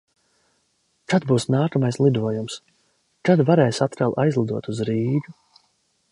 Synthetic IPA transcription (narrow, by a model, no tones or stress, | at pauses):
kad̪̚buːsnaːkamajslˠid̪uɔjums | kad̪vaɾɛːjsat̪ɾɛlˠʔajzlˠid̪uɔt̪uzɾiːɡu